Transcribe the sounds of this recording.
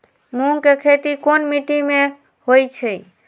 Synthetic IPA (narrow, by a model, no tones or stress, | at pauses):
muŋkekʰet̪ikonmiʈimẽ | hojt͡ʃʰɛ